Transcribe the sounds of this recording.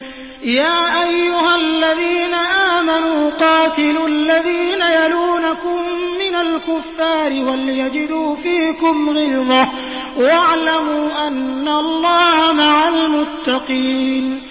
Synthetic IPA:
jaːʔajːʊɦalːaðiːnaʔaːmanuːqɑːt̪ɪlʊlːaðiːnajaluːnakʊmːɪnalkʊfːaːɾɪwaljad͡ʒɪd̪uːfiːkʊmɣɪlða | waʕlamuːʔanːaɑlˤːɑːhamaʕalmʊt̪ːɑqiːn

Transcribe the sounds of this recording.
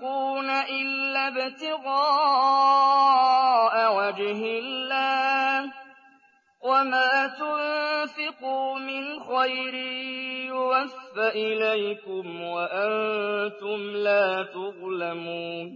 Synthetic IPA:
uːnaʔɪlːabɪt̪ɪɣɑː | ʔawad͡ʒɦɪlːaː | wamaːt̪ʊnfɪquːmɪnxajɾijʊwafːaʔɪlajkʊmwaʔant̪ʊmlaːt̪ʊʔlamuːn

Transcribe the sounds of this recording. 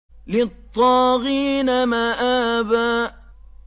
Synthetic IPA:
lɪt̪ˤːɑːɣiːnamaːʔaːbaː

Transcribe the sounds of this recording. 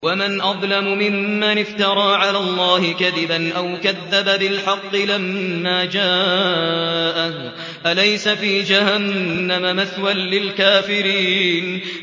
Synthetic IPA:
wamanʔɑðˤlamʊmɪmːanɪft̪ɑɾˤɑːʕalaːlˤːɑːhɪkaðɪbanʔawkaðːababɪlħɑqːɨlamːaːd͡ʒaː | ʔa | ʔalajsafiːd͡ʒahanːamamaθwanlɪlkaːfɪɾiːn

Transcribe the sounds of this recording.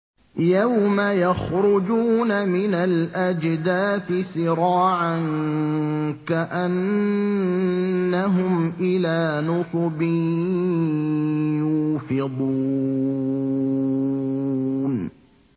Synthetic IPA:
jawmajaxɾʊd͡ʒuːnamɪnalʔad͡ʒd̪aːθɪsɪɾɑːʕaŋ | kaʔan | aɦʊmʔɪlaːnʊsˤʊbɪ | juːfɪd̪ˤuː | n

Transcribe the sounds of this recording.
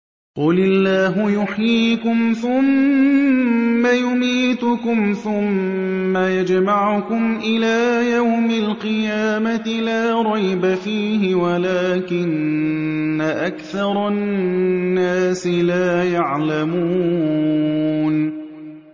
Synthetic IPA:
qʊlɪlːaːɦʊjʊħjiːkʊmθʊm | ajʊmiːt̪ʊkʊmθʊmːajad͡ʒmaʕʊkʊmʔɪlaːjawmalqɨjaːmat̪ɪlaːɾˤɑjbafiːɦɪwalaːkɪnː | aʔakθɑɾˤɑ | nːaːsɪlaːjaʕlamuː | n

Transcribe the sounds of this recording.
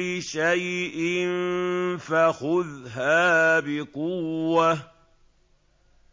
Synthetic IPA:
ɪʃajʔɪnfaxʊðɦaːbɪqʊwːa

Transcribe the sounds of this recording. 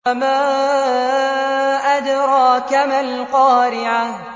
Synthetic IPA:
amaː | ʔad̪ɾˤɑːkamalqɑːɾɪʕa

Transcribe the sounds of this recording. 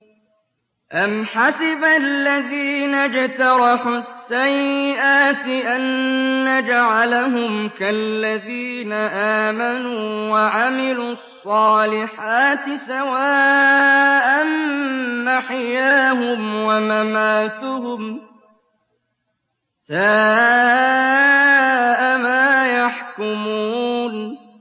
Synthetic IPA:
ʔamħasɪbalːaðiːnad͡ʒt̪ɑɾˤɑħʊsːajːɪʔaːt̪ɪʔannːad͡ʒaʕalaɦʊmkalːaðiːnaʔaːmanuːwaʕamɪluːɑsˤːɑːlɪħaːt̪ɪsawaː | ʔanː | aħjaːɦʊmwamamaːt̪ʊɦʊm | saː | ʔamaːjaħkʊmuːn

